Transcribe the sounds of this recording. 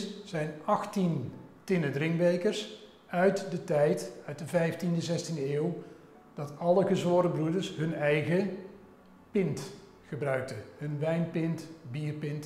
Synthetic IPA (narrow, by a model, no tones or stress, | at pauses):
zɛjnɑχtintɪnədrɪŋkbejkəɹs | œɥtdətɛjtœɥt̚dəvɛjftindəzɛstindəeːw | d̥ɑtɑləχəzʋʊːɾəbrudəɹsɦɵnɛjɣə | pɪnt | χəbrœɥk̚təɦɵnʋɛjnpɪntbiːɹpɪnt